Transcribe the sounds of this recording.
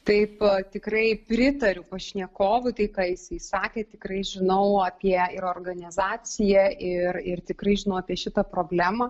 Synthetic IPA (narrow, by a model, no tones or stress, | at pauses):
t̪ɐɪpt̪ʲɪkrɐɪpʲɾʲɪt̪ɐɾʲʊpɐʃʲnʲiɛkoːʋʊt̪ɐɪkɑːjɪsɐɪsɑːkʲɛːt̪ʲɪkrɐɪʒʲɪnɐʊɑpʲiɛɪɾoːrɡɐnʲɪzɑːt͡s̪ʲɪjɛʔɪrɪrt̪ʲɪkrɐɪʒʲɪnɐʊɑːpʲiɛʃʲɪt̪ɐpɾoːbʲlʲæːmɐ